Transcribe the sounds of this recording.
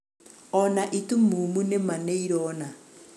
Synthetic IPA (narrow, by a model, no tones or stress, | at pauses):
ɔnaʔitumumunɛmaneiɾɔːna